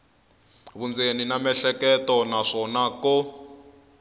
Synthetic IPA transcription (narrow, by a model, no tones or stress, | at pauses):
βund͡zeninamɛɬɛkɛtɔnaʂɔnakɔ